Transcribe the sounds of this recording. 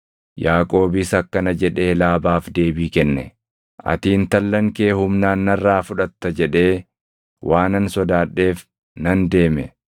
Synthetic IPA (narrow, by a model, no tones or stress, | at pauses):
jaːkʼo̞ːbɪsɐkːɐnɐd͡ʒɛᶑe̞ːlaːbaːfd̪e̞ːbiːkɛnːɛ | ʔɐ̰t̪iːnt̪ɐlːɐŋke̞ːhʊmnaːnːɐrːaːfʊᶑɐt̪ːɐd͡ʒɛᶑe̞ː | wʔaːnɐnsɔd̪aːᶑːe̞ːf | nɐnd̪e̞ːmɛ